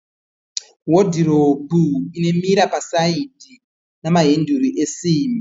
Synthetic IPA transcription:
wodʱiɾobuine̞miɾapasaidʱi | namaɦenduriʔesiːmi

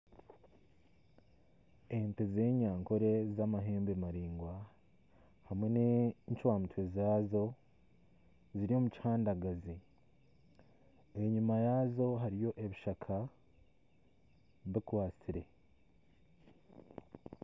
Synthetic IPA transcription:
enteze̞ːɲaːŋkoɾezamaɦeːmbemaɾiːŋɡwa | hamweneɲt͡ʃwaːmutwe̞zaːzo̞ | ziɾio̞muci̥haːndaɡazi | e̞ɲumajaːzo̞ɦaɾijo̞ʔe̞βiʃakʰa | βikwaːt͡siɾe̞

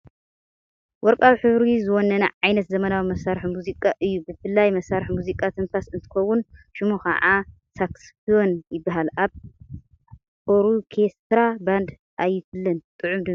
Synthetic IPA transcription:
wɔɾkʼawħɨβɾizɨwonːɐnɐʕajnɐt̪zɐmɐnawimɐsaɾħimuzikʼaʔɨjːubɨfɨlːajmɐsaɾħmuzikʼat̪ʰɨnfʰasɨnt̪ʰɨ̥xɐwːunʃɨmuxɐ̰ʕa | sʰaksfio̞njɪbːaɦalaβ | oɾukʰest̪ɾaband̪ | ʔajːɪfɨlːɨnt̪ʼɨʕumd̪ɨ

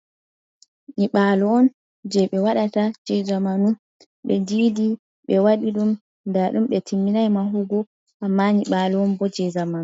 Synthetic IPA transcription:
ɲiɓalɔɔn | d͡ʒɛɓɛwaɗatad͡ʒɛd͡ʒamanu | ɓɛd͡ʒiːdi | ɓɛwaɗiɗum | ndaɗumɓɛtʰimːinajmaɦuɡɔ | ʔamːaɲiɓalɔɔnbɔd͡ʒɛzamanu

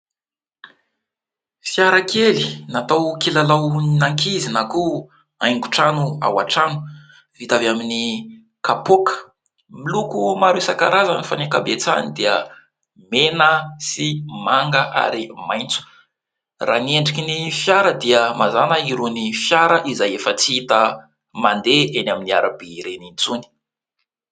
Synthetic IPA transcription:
fjaɾakʰelinat̪awkilalawnnaŋkizinaku | a̰jŋɡuʈ͡ʂanua̰wa̰ʈ͡ʂanu̥ | v̥it̪avamini | kapokə̥ | milukumaɾesaka̰ɾazanifanikabet͡sa̰nid̪iə̰ | menəsimaŋɡəʔa̰ɾimajnt͡su̥ | rʔa̰nieɳɖ͡ʐikʲinifjaɾəd̪iəmʔazanəiɾunifjaɾəʔizajefət͡siit̪ə | mand̪eenaminiaɾabiɾenint͡suni̥

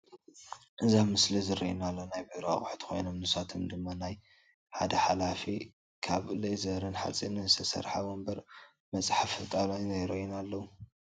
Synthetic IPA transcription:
ʔɨzamɨslizɨɾiʔinalːonajbiɾa̰χʼʊħt̪ʰxo̞̰jnomnɨsat̪ʰomd̪ɨmːanaj | ħad̪ɐħalafi | kʰaβlejzɐɾɨnħa̰t͡sʼinɨzɨt̪ʰɐsɐ̰ɾħawombɐɾ | mɐt͡sʼħafɨt̪ʼalajnɐjɾɐʔunalːɐwu

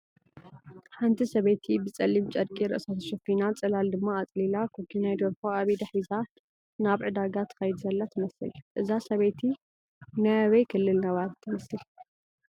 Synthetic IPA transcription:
ħant̪ʰisɐβet̪ʰibɨt͡sʼɐlːimt͡ʃʼɐd̪̚kʼiɾɨ̰ʔɨsat̪ʰʃɛfinat͡sʼɐlald̪ɨmːaːt͡sʼlilakʰokʰːinajd̪ɐɾkoaβid̪ɐħiza | naβʕɨd̪aɡat̪ʰɨ̥xɐjd̪uzɐlːat̪ʰɨmɐsɨ̰lʔɨzasɐβet̪ʰi | najwɐjkʰɨlːɨlnɐβaɾt̪ʰɨmɐsɨl

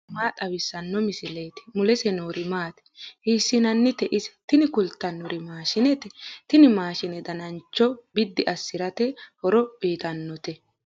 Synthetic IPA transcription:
maːt̪ʼɐwɪsːɐnːɔmɪsɪle̞ːt̪ɪ̥mʊlɛsɛnoːɾɪmaːt̪ɛ̥hiːsːɪnɐnːɪt̪ɛʔɪsɛ̥t̪ɪnɪkʊlt̪ːɐnɔɾɪmaːʃɪnɛt̪ɛt̪ɪnɪmaːʃɪnɛd̪ɐnɐnt͡ʃːɔbɪd̪ːɪʔɐsːɪɾɐt̪ɛhɔɾɔb̥iːt̪ɐnːɔt̪ɛ

